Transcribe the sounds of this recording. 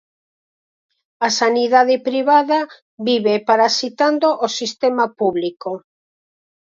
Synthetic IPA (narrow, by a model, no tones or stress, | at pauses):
asaniðaðepɾiβaða | βiβepaɾasit̪and̪oʔosist̪emapuβliko